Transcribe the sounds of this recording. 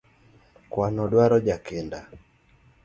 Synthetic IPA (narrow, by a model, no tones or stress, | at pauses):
kwanɔdwaɾɔd͡ʒakɛnda